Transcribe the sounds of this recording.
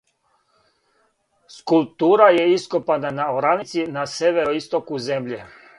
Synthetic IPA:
skulˠp̚t̪uːɾaje̞iskopananaoɾanit̪sinaseʋe̞ɾoist̪okuze̞mʎe

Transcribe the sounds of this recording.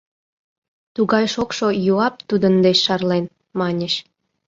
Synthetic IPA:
t̪uɣɑjʃokʃojuɑp̚t̪ud̪ənd̪eɕʃɑrlen | mɑnʲeʃ

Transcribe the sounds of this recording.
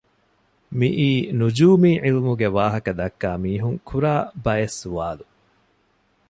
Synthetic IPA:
miʔiːnud͡ʒuːmiːʕilmuɡeʋaːɦɐkɐd̪ɐkːaːmiːɦuŋkʰuɾaːbɐjesuʋaːlu

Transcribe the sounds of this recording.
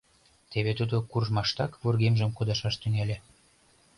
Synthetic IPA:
t̪eβet̪ud̪okurʒmɑʃt̪ɑkβorɣemʒə̆mkod̪ɑʃɑʃt̪yŋelʲe

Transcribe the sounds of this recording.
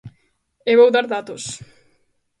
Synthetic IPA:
eβowðaɾðat̪os

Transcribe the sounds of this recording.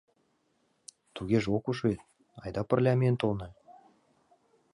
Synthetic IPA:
t̪uɣʲeʒokuʃet̪̚ | ɑjd̪ɑparlʲæmʲent̪olˠnɤ̆

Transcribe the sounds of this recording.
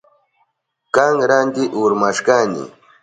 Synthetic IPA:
kaŋɾand̪ɪʔuɾmaʃkanɪ̰

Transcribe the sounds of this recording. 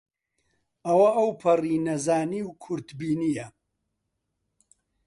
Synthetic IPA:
ɐwɐʔɐwpʰɐriːnɐzaːniwkʰʊɾt̪biːnijɐ

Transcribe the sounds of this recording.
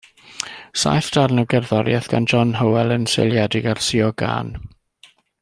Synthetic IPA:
sa̰jfd̥arnuwɡɛrðɔɾjɛθɡ̥a̰nd͡ʒɔnɦəwɛlˠənsḛlˠjɛdɪɡarsiɔɡa̰ːn

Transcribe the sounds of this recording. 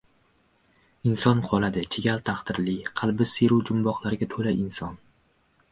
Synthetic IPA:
ɪnsɒnqʰɒlˠad̪ɪt͡ʃʰeɡʲalt̪ʰaχt̪ɪɾlɪqʰɑlˠbɪseɾuwd͡ʒʊmbɒqlˠaɾɪɡʲat̪ʰolaʔɪnsɒn

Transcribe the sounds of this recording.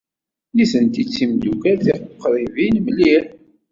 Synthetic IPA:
liθənt̪it͡sːimd̪ukæɾθiʁqːɾˤivinməlːiħ

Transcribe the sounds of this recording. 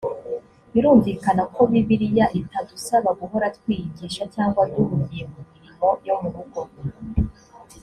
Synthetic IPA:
βiɾuːɱvikanakʰo̞βiβiɾijaʔitadusaβaɡuɦo̞ɾatwiːjiɡiːʃacaːŋɡwaduhuvijemumiɾimo̞jomuɾuɡo

